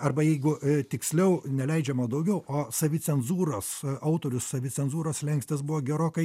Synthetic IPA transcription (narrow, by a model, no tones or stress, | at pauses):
ɐrbɐjɛɪɡʊt̪ʲɪksʲlʲɛʊnʲɛlʲɛɪd͡ʒʲɛmoːd̪ɐʊɡʲɛʊʔoːsɐʋʲɪt͡s̪ʲɛnzuːɾosɐʊt̪oːɾʲʊssɐʋʲɪt͡sʲɛnzuːɾoslʲɛŋksʲt̪ʲes̬bʊʋoːɡʲɛɾoːkɐɪ